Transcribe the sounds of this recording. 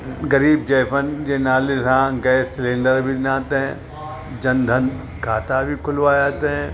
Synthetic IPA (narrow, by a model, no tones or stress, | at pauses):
ɡɐɾiːb̚d͡ʒɛːpʰənd͡ʒeːnaːlɪsãːɡɛːsɪlẽːɳɖəɾbʱinaːt̪ɦɛ̃ | d͡ʒɐ̃nd̪ʱən | kʰaːt̪abʱikʰʊlʋaːjaːt̪eɦɛ̃